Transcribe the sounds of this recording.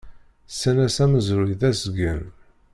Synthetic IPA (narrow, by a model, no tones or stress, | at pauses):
sːænæsæməzɾuiðæsəɡən